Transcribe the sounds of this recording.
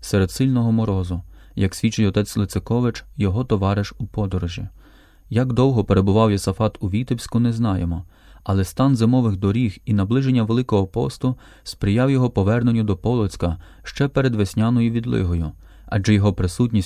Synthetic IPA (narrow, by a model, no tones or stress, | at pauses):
sɛɾed̪sɪlʲnɔɦɔmɔɾɔzʊ | jɐksʲʋʲit͡ʃːɪjɔt̪ɛt͡sʲlˠɪt̪sekɔʋɪt͡ʃjɔɦɔt̪ɔʋɑɾɪʃupɔd̪ɔɾɔʒʲi | jaɡd̪ɔwɦɔpeɾe̞bʊʋɑwjɔsɐfɑt̪uʋʲit̪ɪwsʲkʊnɛznɑjemɔ | ɐlˠɛst̪ɑnzemɔʋɪɣd̪ɔɾʲixinɐblˠɪʒenʲːɐʋelˠɪkɔɦɔpɔ̰st̪ʊ | spɾɪjɑwjɔɦɔpɔʋɛrnenʲʊd̪ɔpɔlˠɔt͡sʲkɐ | ʃt͡ʃɛpeɾed̪ʋesʲnʲɑnɔjʊʋʲid̪lˠɪ̰ɦɔjʊ | ɐ̰d͡ʒɛjɔɦɔpɾɪsutʲnʲisʲ